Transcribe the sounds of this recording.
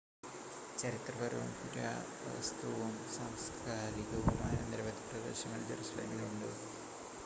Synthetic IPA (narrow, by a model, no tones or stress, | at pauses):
t͡ɕɐɾit̪rɐpɐɾɐʋṵmkuɾɐ̰ | ʋɐ̰st̪uʋɐmsɐmskʰaːɾiɣɐʋumaːjɐniɾɐʋɐd̪ʱiprɐd̪e̞ːɕɐmɐld͡ʑɐɾusɐlḛnɡiluɳɖɨ̰